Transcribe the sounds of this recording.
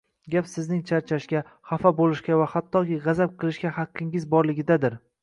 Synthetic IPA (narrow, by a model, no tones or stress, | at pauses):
ɡʲapsɪznɪŋt͡ʃʰaɾt͡ʃʰaʃkʲa | χafabolɪʃkʲavahat̪ʰːɒkʲiʁɑzap̚qʰɨlˠɪʃkʲahɑqʰːɪŋɪzbɒɾlɪɡʲɪd̪ad̪ɪɾ